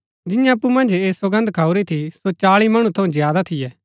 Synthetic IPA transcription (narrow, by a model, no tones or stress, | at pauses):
d͡ʒɪjãɐpːumɐ̃nd͡ʒeːswɐɡə̃nd̪kʰaːuɾit̪ʰisot͡ʃaːɭimɐɽ̃ũt̪ʰɐũzjaːd̪at̪ʰɪjɛː